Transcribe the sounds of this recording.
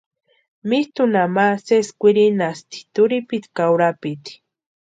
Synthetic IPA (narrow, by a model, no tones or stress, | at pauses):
mist̪unamaseskʷiɾinast̪i̥t̪uɾipit̪kawɾapit̪i̥